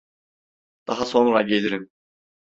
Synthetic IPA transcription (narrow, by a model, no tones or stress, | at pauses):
d̪̥ɑɦɑsonɾaɟeliɾim